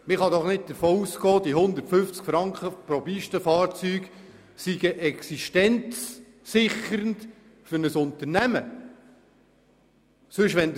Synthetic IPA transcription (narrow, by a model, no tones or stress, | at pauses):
mɪχɑd̪ɔχnɪt̚d̪əɾfoːuskɔːd̪iɦʊnd̪əɾtfʏft͡skfɾɑŋkχəpɾɔbiʃtəfɑːɾt͡syːɡ | siɡ̥əʔɛksiʃtɛnt͡sː | ɪχəɾənt | fʏɾnəsʊnt̪əɾnæmə | sɵʃʋɛnd̪